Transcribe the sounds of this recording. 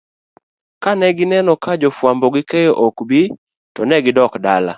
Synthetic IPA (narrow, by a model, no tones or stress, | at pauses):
kanɛɡɪnɛnɔkad͡ʒofwambɔɡɪkejoʔokbi | tɔnɛɡɪdɔkdala̰